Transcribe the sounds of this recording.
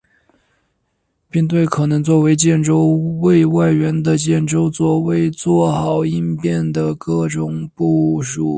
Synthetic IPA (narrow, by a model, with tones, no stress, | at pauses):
pi˥˧ŋt̪we˥˩ɪkʰɤ˨˩nɤ˧˥ŋt͡swɔ˥˩we˧˥ɪt͡ɕjɛ˥˩nʈ͡ʂo˥ʊwe˥˧ɪwa˥˩ɪɥɛ˧˥nd̪ə˨t͡ɕjɛ˥˩nʈ͡ʂo˥ʊt͡swɔ˥˩we˥˧ɪt͡swɔ˥˩xɑ˨˩ʊi˥npjɛ˥˩nd̪ə˩kɤ˥˩ʈ͡ʂʊ˨˩ŋpu˥˩ʂu˨˩˦